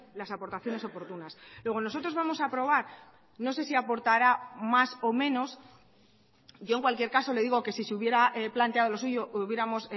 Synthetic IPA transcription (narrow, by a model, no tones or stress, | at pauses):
lasapo̞ɾt̪aθjo̞ne̞so̞po̞ɾt̪unaslwe̞ɣ̞o̞no̞so̞t̪ɾo̞zβamo̞sapɾo̞β̞aɾ | no̞s̬e̞siapo̞ɾt̪aɾamaso̞mẽ̞no̞s | ɟ͡ʝo̞eŋkwalkjeɾkaso̞le̞ðiɣo̞ke̞siseuβje̞ɾaeplant̪eað̞o̞lo̞suʝo̞ʔuβje̞ɾamo̞s